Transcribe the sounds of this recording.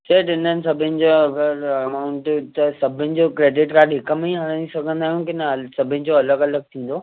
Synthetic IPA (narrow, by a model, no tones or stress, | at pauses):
sɐɦʈɪnənɪ̆sɐbʱɪnɪ̆d͡ʑoɐɡəɾɐmaːʊɳʈt̪ɐsɐbʱɪnɪ̆d͡ʑokɾeːɖɪʈkaːɖɦɪkəmĩɦɐɽ̃ə̃nisɐɡʱə̃nd̪aːɦjũnkɪnsɐbʱɪnɪ̆d͡ʑoɐləɡɐləɡ̚t̪ʰĩːn̆d̪oː